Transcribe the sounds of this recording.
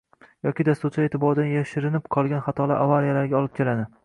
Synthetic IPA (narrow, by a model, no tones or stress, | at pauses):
jɒkʲid̪ast̪uɾt͡ʃʰaet̪ʰɪbɒɾd̪anjaʃɪɾɪnɪpqʰɒlˠɡʲanχat̪ʰɒlˠaʔavalijalaɾɡʲaɒlˠɪp̚kʲʰe̞lad̪ɪ